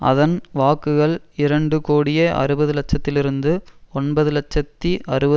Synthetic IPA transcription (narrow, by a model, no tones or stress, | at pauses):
ʔɐ̰ðɐnʋaːkːɯɣɐɭɪɾɐɳɖɯkoːɽɪjeʔɐ̰ɾɯbɐðɯlɐt͡ʃːɐt̪ːɪlɪɾɯnd̪ɯɔnbɐðɯlɐt͡ʃːɐt̪ːiʔɐɾɯbɐ